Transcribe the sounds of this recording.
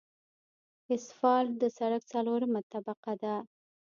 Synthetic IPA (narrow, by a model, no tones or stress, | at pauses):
ɪsfɑld̪əsaɽakt͡saloɾmat̪abaqad̪a